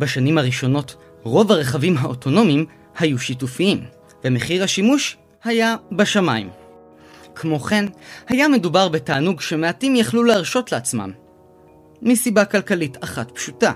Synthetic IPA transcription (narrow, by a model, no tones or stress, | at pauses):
baʃanimhaʁiʃo̞no̞t | ʁo̞vaʁeχavimɦaotʰo̞no̞mim | hajuʃitufiim | ve̞meχiʁhaʃimuʃ | hajabaʃamaim | kʰmo̞χe̞nhajame̞dubaʁbetaːnuɡʃe̞me̞atimjaχluleaʁʃo̞tleat͡sma̰mː | isibakalkalitaχatpʃuta